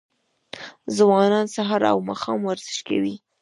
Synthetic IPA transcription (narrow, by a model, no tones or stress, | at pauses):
zwɑnɑnsaɦɑɾa̰wmɑxɑmwaɾz̥əʃka̰wi